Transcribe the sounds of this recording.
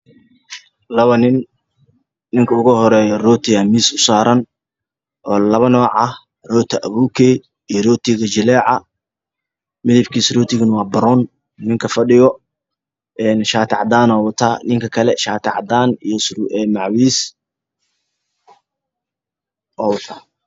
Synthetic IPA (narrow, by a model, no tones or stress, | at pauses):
lɐβɐnɪn | nɪŋkʰɐʊɣʊhɔɾɛːjɔrɔːt̪ʰɪɣɐmiːsʊsaːɾɐn | ʔɔːlɐβɐnɔːʕɐh | rɔːt̪ʰɐʔɐβuːkʰɛː | ijɔrɔːt̪ʰɪɣɐd͡ʒɪlɛːʕɑ | mɪðɪbkʰiːsrɔːt̪ʰɪɣɐnwɑːbɐɾɔn | nɪŋkʰɐfɐɖɪjɔ | ʔɛnʃaːt̪ʰɪʕd̪aːnɔːwt̪ʰaːnɪŋkʰɐkʰɐlɛʃaːt̪ʰɪʕd̪aːnijɔsɛmɑʕwiːs | ʔɔːwʊt̪ʰaː